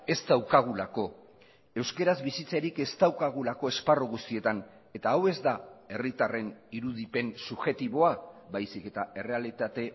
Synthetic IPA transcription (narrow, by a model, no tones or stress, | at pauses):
e̞st̪awkaɣ̞ulako̞ | e̞wske̞ɾazbisit͡saɾike̞st̪awkaɣ̞ulako̞e̞sparoɣust̪ie̞t̪an | e̞t̪aːwe̞zd̪ae̞rit̪are̞niɾuð̞ipe̞nsuʝe̞t̪iβ̞o̞aβajsike̞t̪ae̞re̞alit̪at̪e̞